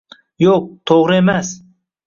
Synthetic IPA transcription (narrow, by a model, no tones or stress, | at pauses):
joq̚t̪ʰoʁɾɪe̞mas